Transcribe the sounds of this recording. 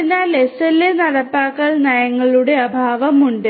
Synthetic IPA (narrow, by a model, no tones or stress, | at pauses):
inaːlesɐlenɐɽɐpːaːkːɐɭnɐjɐŋːɐɭuɽe̞ɐbʱaːʋɐmuɳɖɨ